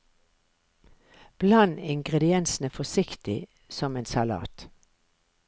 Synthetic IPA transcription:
b̥lɑnɪŋɡʁɛd̪ɪɛnsn̩əfɔsɪkt̪ɪ | sɔmeːnsɑlɑ̰ːt̪

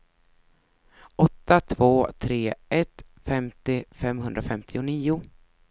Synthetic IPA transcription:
ʔɔt̪ːat̪ʰvoːt̪ʰɾeːʔɛt̪fɛmt̪ɪfɛmɦɵnd̪ɾafɛmt̪ʰɪʊniːʊ

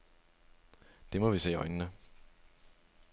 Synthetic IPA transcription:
d̥e̝mɒʋisḛːɒ̽ɪnənə

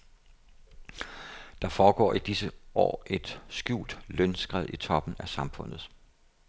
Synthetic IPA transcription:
d̥ɑ̈fɒːɡ̥ɒ̰ːʔid̥isəʔɒ̰ːʔe̝d̥sɡ̥jṵːld̥lønsɡ̥ʁɛð̞̰ˠit͡sʰɒ̽b̥n̩æsɑ̈mfɔ̽n̰ð̞̩ˠ

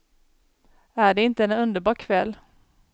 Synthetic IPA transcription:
æɖɛɪnt̪əɛnɵnd̪əɾbɑːɾkʰvɛlː

